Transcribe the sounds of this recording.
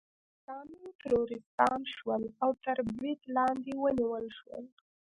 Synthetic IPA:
sɑniʈaɾoɾɪst̪ɑnʃwəlawt̪aɾbit̪lɑnd̪ewəniwəlʃwə̰l

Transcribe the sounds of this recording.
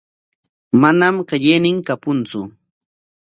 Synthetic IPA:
manamɢɪʎejnɪŋkapʊnt͡sʊ

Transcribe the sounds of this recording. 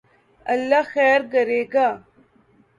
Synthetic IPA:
ɐlːaxɛːɾɡɐɾeːɡaː

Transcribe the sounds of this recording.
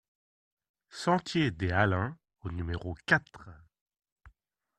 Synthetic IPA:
sɑ̃t̪jed̪ealɛ̃ | onymeʁokat̪χ

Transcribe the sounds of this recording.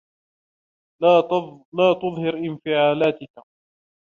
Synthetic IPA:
laːt̪ʊðˤhɪɾʔɪnfɪʕaːlaːt̪ɪka

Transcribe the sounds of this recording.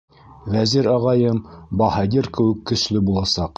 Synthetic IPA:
væziɾɑʁɑjɤmbɑhɑd̪iɾkɘ̆wɘkːɵ̆slɵbulˠɑsɑq

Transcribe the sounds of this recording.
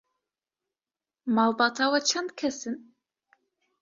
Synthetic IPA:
mɑːlˠbɑːt̪ʰawɛt͡ʃʰɛnd̪̚kʰɛsɨn

